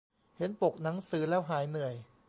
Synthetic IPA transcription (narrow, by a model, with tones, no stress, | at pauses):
he˩˦npo˨˩k̚na˩˦ŋsɯː˨˦˥lɛː˦˥˩wɦaː˩˦jnɯ˨˩əj